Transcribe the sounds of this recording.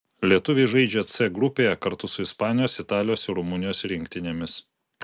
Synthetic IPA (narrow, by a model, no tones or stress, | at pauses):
lʲiɛt̪ʊʋʲeʒɐɪd͡ʒʲɛt̪sʲɛɡɾʊpʲeːjɛkɐɾt̪ʊsʊɪspɑːnʲɪjoːsɪt̪ɑːlʲɪjoːsɪɾʊmʊnʲɪjoːsɾʲɪŋʲkt̪ʲɪnʲeːmʲɪs